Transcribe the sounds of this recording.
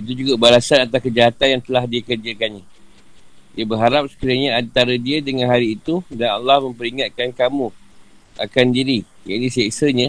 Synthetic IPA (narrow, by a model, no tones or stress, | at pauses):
it̪̬ud͡ʒuɡabalasanat̪ahkəd͡ʒaɦat̪anjaŋt̪əlahdiakərd͡ʒəkanɲã | diəbərɦaɾap̚sə̥kiɾaɲaant̪aɾadiadəŋãnɦaɾiːt̪udana̰lːahmə̃mpəɾiŋat̪̚kankamũ | a̰kandiɾi | jaʔinisasəɲã